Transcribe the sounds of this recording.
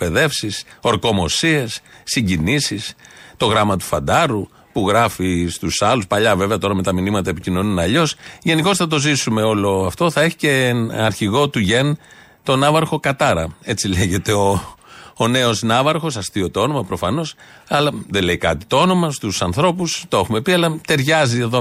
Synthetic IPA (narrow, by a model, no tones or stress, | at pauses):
pe̞ðe̞fsiso̞ɾko̞mo̞sie̞sːiɲɟinisist̪o̞ɣɾɐmɐt̪u̥fɐnd̪ɐɾu | puɣɾɐfist̪usɐluspɐʎɐve̞veɐt̪o̞ɾɐme̞t̪ɐminimɐt̪ɐe̞picino̞nunɐʎo̞sʝe̞niko̞sθɐt̪̬o̞zisume̞o̞lo̞ɐft̪o̞θɐe̞çi̥ce̞ɐɾçiɣo̞t̪uʝe̞n | t̪o̞nɐvɐɾxo̞kɐt̪ɐɾɐ̰e̞t͡sile̞ʝe̞t̪e̞oː | ne̞o̞snɐvɐɾxo̞sɐst̪io̞t̪oo̞no̞mɐpɾo̞fɐno̞s | ɐlɐðeleikɐt̪it̪oo̞no̞mɐst̪usɐnθɾo̞pust̪oe̞xume̞piɐlɐt̪e̞ɾʝɐzie̞ðo